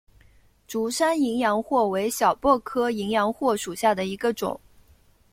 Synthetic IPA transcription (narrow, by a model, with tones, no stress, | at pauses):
ʈ͡ʂu˧˥ʂa˥ni˧˥ŋjɑ˧˥ŋxwɔ˥˩we˧˥ɪɕjɑ˨˩ʊpwɔ˥˩kʰɤ˥i˧˥ŋjɑ˧˥ŋxwɔ˥˩ʂu˨˩ɕja˥˩d̪ə˩i˧˥ɡə˧ʈ͡ʂʊ̰˨˩˦ŋ